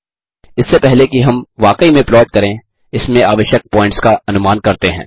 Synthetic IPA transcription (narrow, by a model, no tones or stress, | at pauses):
ɪsːepɛɦlekiɦɐmʋaːkəimẽplɔːɖ̚kɐɾẽ | ɪsmẽaːʋəʃjək̚pɔ̃ːɪ̃ɳʈskaɐnʊmaːnkɐɾt̪eɦɛ̰̃ː